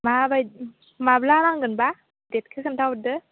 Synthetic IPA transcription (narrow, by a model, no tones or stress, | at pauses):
mabaj | mablanaŋɡɯnba | det̚kʰɯkʰɯmtʰawdɯ